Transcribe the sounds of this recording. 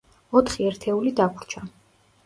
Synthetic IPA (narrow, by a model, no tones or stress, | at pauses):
ɔt̪ʰχiɛɾt̪ʰɛulid̪akʰɾt͡ʃʰa